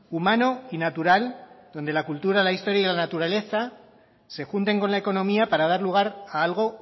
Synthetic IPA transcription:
umano̞inat̪uɾald̪o̞nd̪e̞lakult̪uɾalaist̪o̞ɾjailanat̪uɾale̞θa | se̞xunt̪e̞ŋko̞nlae̞ko̞nõ̞miapaɾað̞aɾluɣ̞aɾaalɣ̞o̞

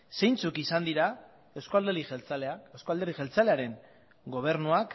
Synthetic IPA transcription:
se̞jnt͡sukisand̪iɾa | ewskoald̪eɾiet͡saleaewskoald̪eɾixelt͡saleaɾe̞ŋ | ɡo̞β̞e̞ɾnuak

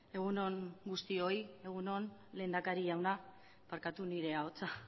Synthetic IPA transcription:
e̞ɣ̞uno̞ŋɡust̪io̞je̞ɣ̞uno̞nle̞ːnd̪akaɾiʝawna | paɾkat̪uniɾe̞aot͡sa

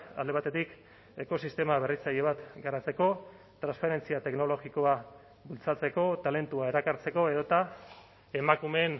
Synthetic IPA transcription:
a̰ld̪eat̪e̞t̪ik | e̞ko̞sist̪e̞maβe̞rit͡saʎe̞βat̪ɡaɾat͡se̞ko̞ | t̪ɾanspaɾe̞nt͡siat̪e̞kno̞lo̞ɣiko̞a | bult͡sat͡se̞ko̞t̪ale̞nt̪uae̞ɾakaɾt͡se̞ko̞e̞ðo̞t̪a | e̞makume̞n

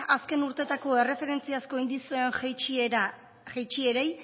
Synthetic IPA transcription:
aske̞nuɾt̪e̞t̪ako̞e̞re̞fe̞ɾe̞nt͡siasko̞jnd̪isenxejt͡ʃieɾa | xejt͡ʃieɾej

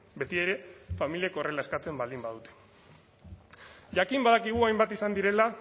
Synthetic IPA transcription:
be̞t̪ie̞ɾe̞familieko̞re̞lae̞skat͡se̞mbald̪imbað̞ut̪e | ʝakimbaðakiɣ̞uajmbat̪isand̪iɾe̞la

